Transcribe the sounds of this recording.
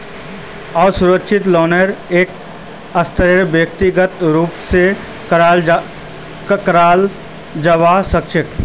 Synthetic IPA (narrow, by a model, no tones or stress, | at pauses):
ɔːɾsʊɾəkʃʰɪt̪lɔːneɾeːk | ɐst̪əɾeɾbjək̚t̪ɪɡət̪ɾuːpse | al | kɾaːl | d͡ʒəʋasəkʃɪk